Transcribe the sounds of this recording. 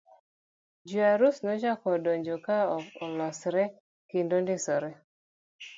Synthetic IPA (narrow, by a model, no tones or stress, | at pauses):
d͡ʒuaɾusnɔd͡ʒakɔdɔɲd͡ʒokaɔɔlɔsɾɛ | kindondɪsɔɾɛ